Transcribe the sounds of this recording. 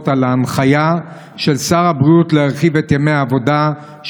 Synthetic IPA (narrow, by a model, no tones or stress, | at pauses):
talaːnχaja | ʃe̞lsaʁabʁiut̪leaʁχivetjameaːvo̞da | ʃ